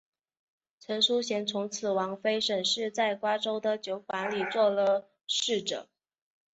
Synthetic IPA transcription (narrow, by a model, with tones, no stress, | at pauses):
t͡sʰwə˧˥nʂu˥ɕjɛ˧˥nt͡sʰʊ˧˥ŋt͡sʰɹ̩˨˩wɑ˧˥ŋfe˥ɪʂə˨˩nʂɻ̩˥˧t͡sa˥˩ɪkwa˥ʈ͡ʂo˥ʊd̪ə˨t͡ɕjo˧˥ʊkwa˧˥nli˨˩t͡swɔ˥˩lə˨ | ʂɻ̩˥˩ʈ͡ʂɤ̰˨˩˦ŋ